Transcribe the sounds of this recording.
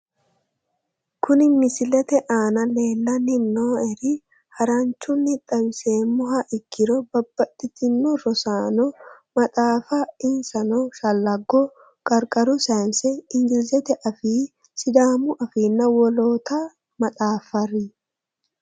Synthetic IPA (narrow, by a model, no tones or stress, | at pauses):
kʊnɪmɪsɪlɛt̪ɛʔaːnɐle̞ːlːɐnɪnnoːɛɾɪ | hɐɾɐnt͡ʃːʊnːɪt̪ʼːɐbɪse̞ːmːʊɦɐʔɪkʰːɪɾɔbɐbːɐt̪ʼːɪt̪ɪnːɔɾɔsaːnɔ | mɐt̪ʼaːfɐɪnsɐnɔʃɐlːɐɡɔ | kʼɐɾkʼɐɾʊsɐːmsɛɪŋɡɪlzɛt̪ɛʔɐfiː | sɪd̪aːmʊʔɐfiːnːɐwɔlo̞ːt̪a | mɐt̪ʼaːfɐrɪ